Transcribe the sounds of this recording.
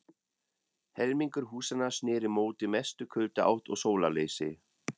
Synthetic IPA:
hɛɾmiŋkʏɾ̥ɦuːsanḁsnɪːɾɪmoːwt̪ɪmɛst̪ʏkʰʏlt̪ʏa̰wht̪ɔɣsoːwlaleːjsɪ

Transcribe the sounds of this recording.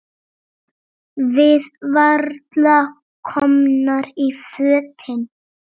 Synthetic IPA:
vɪðvaɾd̪lɑ | kʰɔmnəɾiføːt̪ʰɪn

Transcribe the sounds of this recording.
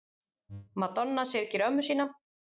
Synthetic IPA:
mat̪ɔnːasɛɾcɪɾœmːʏsiːna

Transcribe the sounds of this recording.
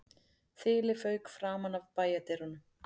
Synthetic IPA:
θɪːlɪfœːɥkfɾaːmanavpaːjat̪ɛɾɔnʏm

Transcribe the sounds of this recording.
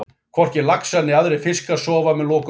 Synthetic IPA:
kʰvɔr̥cɪɾlaksanːɪaðɾɛfɪskasɔːvamɛðlɔːk

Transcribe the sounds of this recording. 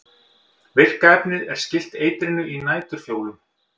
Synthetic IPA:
vɪr̥kaɛpnɪðɛɾ̥scɪl̥t̪eːjt̪ɾɪnʏinaːjt̪ʏɾ̥fjoːwlʏm

